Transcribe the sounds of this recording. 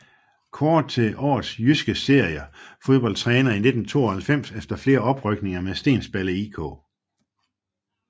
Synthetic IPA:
kʰɒːd̥ˠt͡sʰe̝ʔɒ̰ːðˠsjysɡ̥əse̝ɐ̰jəfo̝ð̞ˠb̥ɒ̽l̰̥t͡sʰʁɛːnɐine̝d̥n̩t͡sʰo̝̰ːɐhælfem̰sefd̥ɐfle̝ːɐɒ̽b̥ʁœɡ̥ne̝ŋɐmesd̥e̝̰ːnsb̥æləiːkʰɔ̰ː

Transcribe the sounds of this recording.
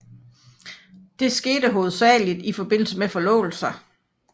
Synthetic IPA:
d̥e̝sɡ̥e̝ːd̥əɦo̝ːð̞̩ˠsɛ̰ːlid̥ifɒ̽b̥e̝n̰l̩səmefɒ̽lɔ̰̽ːl̩sɐ

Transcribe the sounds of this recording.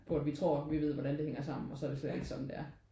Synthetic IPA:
pʰɒ̽æd̥ʋit͡sʰʁo̝ɐ̰ʋiʋe̝ð̞̰ˠʋɒd̥ɾænd̥e̝heŋ̰ɐsɑ̈m̰n̩ɒ̽sɒɐɾ̥e̝slel̥eɡ̥sɒ̽md̥e̝æɐ

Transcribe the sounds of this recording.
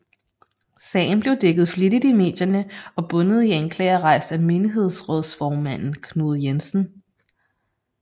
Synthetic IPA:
sɛ̰ːɪn̩b̥le̝ʊd̥eɡ̥ð̩ˠfliɾ̥id̥ime̝̰ːd̥jɐnəɒ̽b̥ɔ̽nəð̞̩ˠieŋkʰlɛ̰ːɐʁɑ̈ɪ̰sd̥æme̝niɦe̝ð̞̰ˠsʁɔ̽ðˠsfɒːmæn̰n̩kʰno̝ːð̞̩ˠjensn̩

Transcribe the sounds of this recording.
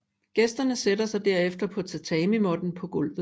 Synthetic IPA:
ɡ̥esd̥ɐnəseɾɐsɑ̈ɪd̥æɐ̰efd̥ɐpʰɒ̽t͡sʰæt͡sʰɛːmimɒ̽d̥n̩pʰɒ̽ɡ̥ɔ̽l̰ʋð̩ˠ

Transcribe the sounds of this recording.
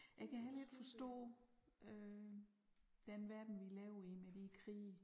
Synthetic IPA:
jɑ̈ɪkʰæɦæled̥fɒ̽sd̥ɔ̰̽ːø | d̥enʋæɐd̥n̩ʋilɛːʊimed̥ikʰʁḭː

